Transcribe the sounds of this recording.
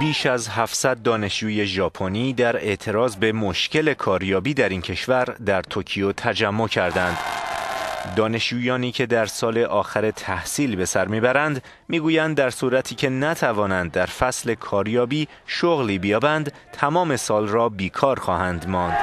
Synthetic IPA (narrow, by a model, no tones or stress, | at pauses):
biːʃæzɦæfsæd̪̚ːɒːne̞ʃd͡ʒuːje̞ʒɒːpʰoniːd̪æɾe̞ʔt̪ʰe̞ɾɒːzbe̞mo̞ʃce̞le̞kʰɒːɾjɒːbiːd̪æɾiːncʰe̞ʃvæɾd̪æɾt̪ʰocʰijot̪ʰæd͡ʒæmːo̞cʰæɾd̪ænd̪ | d̪ɒːne̞ʃd͡ʒuːjɒːniːcʰe̞d̪æɾsɒːle̞ʔɒːxæɾe̞t̪ʰæhsiːlbe̞sæɾmiːbæɾænd̪ | miːɡuːjænd̪̚ːæɾsuːɾæt̪ʰiːcʰe̞næt̪ʰævɒːnænd̪̚ːæɾfæsle̞kʰɒːɾjɒːbiː | ʃoɣliːbijɒːbænd̪ | t̪ʰæmɒːme̞sɒːlrɒːbiːkʰɒːɾxɒːhænd̪mɒːnd̪̥